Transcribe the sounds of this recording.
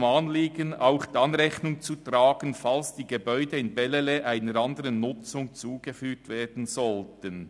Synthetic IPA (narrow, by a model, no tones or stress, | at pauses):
manliːɡənaʊχd̥iɑnʁɛçnʊŋt͡sutʁaːɡ̥ənfalsd̥iːɡebœʏdəɪnbɛleleʔaɪnəɾɑndəʁənːʊt͡sʊŋt͡suːɡ̥əfyːtv̥eːdn̩zɔltən